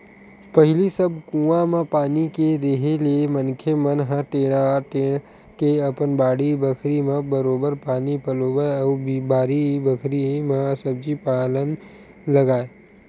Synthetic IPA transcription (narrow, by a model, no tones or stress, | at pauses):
pɐɦɪlisɐb̚kũːamẽpaːnikeɾeɦeliemənkʰemɐnɦãʈeːɽ̃aʈeːɽ̃ | keɐpənbaːɽibəkʰɾimẽbɐɾoːbəɾpaːnipɐloːbəɔːbibaːɾibəkʰɾimẽsɐb̚d͡ʒipaːlən | lɐɡaːe